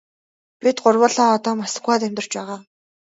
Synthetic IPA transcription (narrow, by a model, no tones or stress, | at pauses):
pit̪ɢʊrwəːɮaːɔt̪ɔːmasə̥̆kuaːt̪æmʲt̪ə̆r̥t͡ɕpæːʁaː